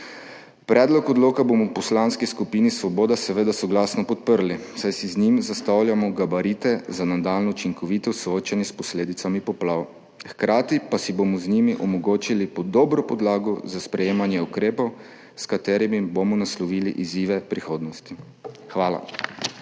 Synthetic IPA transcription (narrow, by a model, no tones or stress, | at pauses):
pɾɛːd̪lɔkɔd̪loːkabomɔpɔslaːnskiskupiːnisʋɔboːd̪asɛʋeːd̪asɔɡlaːsnɔpɔt̪̚pəɾlisajsiznimzast̪awljamɔɡabaɾiːt̪ɛzanad̪aːlnɔut͡ʃiŋkɔʋiːt̪ɔsɔoːt͡ʃanjɛspɔsleːd̪it̪samipɔplaːw | xkɾaːt̪ipasibomɔznimiʔɔmɔɡoːt͡ʃilipɔd̪ɔbɾɔpɔd̪laːɡɔzaspɾɛjeːmanjɛukɾeːpɔw | skat̪eːɾimibomɔnaslɔʋiːlḭʔiziːʋɛpɾixoːd̪nɔst̪i | xʋaːla̰